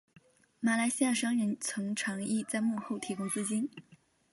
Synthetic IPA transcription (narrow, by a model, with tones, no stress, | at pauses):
ma˨˩la˧˥ɪɕi˥ja˥˩ʂɑ˥ŋɻə˧˥nt͡sʰʊ˧˥ŋʈ͡ʂʰɑ˧˥ŋi˥˧t͡sa˥˧ɪmu˥˧xo˥˩ʊt̪ʰi˧˥kʊ˥ŋt͡sɹ̩˥t͡ɕi˥n